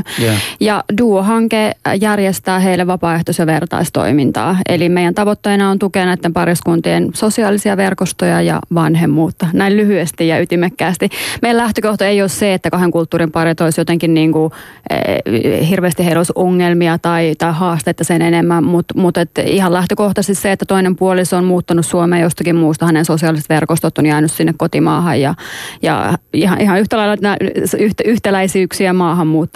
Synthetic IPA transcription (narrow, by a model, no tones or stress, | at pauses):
jɑduoɦɑŋkejærjest̪æːɦeilːeʋʋɑpɑːeht̪osɑʋert̪ɑ̰ist̪o̰imint̪ɑ̰ːḛlimeijænt̪ɑʋot̪ːeinɑont̪ukenɑit̪ːempɑriskunt̪iensosiɑːlisiɑʋerkost̪ojɑjɑ̰ʋɑnhemːuːt̪ːɑnæillyhyest̪ijɑyt̪imekːæːst̪imejælæht̪økoht̪oeijosseet̪ːækɑheŋkult̪ːuːɾimpɑret̪oisjot̪eŋkinniːŋkṵ | hirʋeːst̪iheilosoŋːelmiɑt̪ɑit̪ɑihɑːst̪et̪ːɑsenenemːæmut̪mut̪et̪ihɑllæht̪økoht̪ɑst̪isseet̪ːæt̪oinempuolisommuːt̪ːɑnussuomeːjost̪ɑkimmuːst̪ɑhænensosiɑlisest̪ʋerkost̪ot̪ːonjɑinyssinːekkot̪imɑːhɑjjɑjɑ̰ihɑʔihɑnyht̪ælɑilɑt̪næyht̪yht̪ælæisiːksiæmɑːhɑmmuːt̪ː